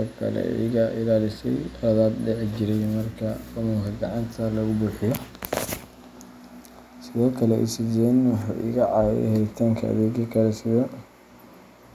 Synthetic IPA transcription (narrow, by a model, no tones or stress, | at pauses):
ɔkʰɐ̰lɛ̰ʔɪ̰ɣɐʔɪlaːlɪsɛjðaːd̪dɛʕd͡ʒɪɾɛjmɐrkʰɐkɐmʊkʰɐɡɑʕɑnt̪ʰɐlɐɣʊbuːħɪjɔ | sɪðɔːkʰɐlɛʔḭsɪdɛnwɑħɑ̰ːʔɪ̰ɣɐʕɑːjɛ̰jhɛɾɪt̪ʰaːŋkʰɐ̰ɐ̰ðɛːɡɐkʰɐlɛsɪðɐ